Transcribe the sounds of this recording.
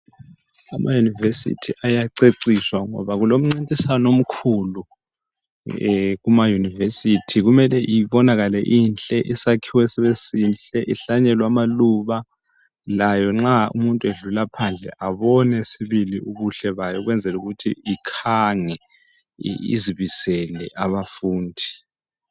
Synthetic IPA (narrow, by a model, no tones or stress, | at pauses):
amʔa̰junivesḭtʰiʔajaǀeǀiswaŋɔ̰βaɣulom̩ŋ͡ǀintʼisanom̩kʰulu | ɣumajunivesitʰiɣumɛlɛʔiβɔnaɣalɛʔiːnt͡ɬʼɛʔisakʰiwɛsɛβesinɬʼɛʔiɬaɲɛlwamaluβa | lajɔŋ͡ǁaṵmuntʼueɮulapʰand͡ɮʱɛ̰ʔaβɔnɛsiβiliuɣuɬɛβajɔɣwɛnd͡zʱɛluɣutʰiikʰaŋɛ̰ | ḭziβisɛlɛʔaβafuːndʱi